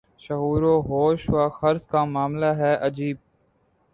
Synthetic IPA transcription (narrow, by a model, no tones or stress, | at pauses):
ʃəɦuːɾoːɦoːʃʋaːxəɾzkaːmaːmlaːɦɛːʔəd͡ʒiːb̚